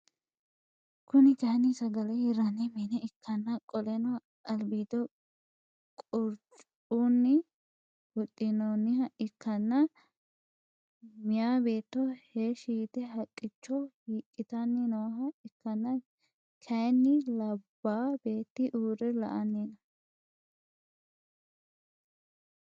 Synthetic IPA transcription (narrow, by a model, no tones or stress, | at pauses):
kʊnɪkɐnisɐɡɐlɛhɪɾːɐnɛmɛnɛɪkʰːɐnːɐkʼɔlɛnɔ | ɐlbiːd̪ɔ | kʼɔɾt͡ʃʼ | unːɪ | hʊt̪ʼːɪnɔnːɪhɐʔɪkːɐnːɐ | mɪjaːbe̞ːt̪ːɔheːʃiːt̪ɛɦɐkʼːɪt͡ʃːɔhiːkʼːɪt̪ɐnːɪnɔwɐɦɐɪkːɐnːɐ | kʰɐjnːɪlɐbːaːbe̞ːt̪ːɪʔuːɾɛlɐ̰ʔɐnːinɐ